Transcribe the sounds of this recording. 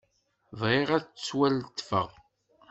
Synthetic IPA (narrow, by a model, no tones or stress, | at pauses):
vʁeʁæt͡sːwælt̪ːfə̰ʁ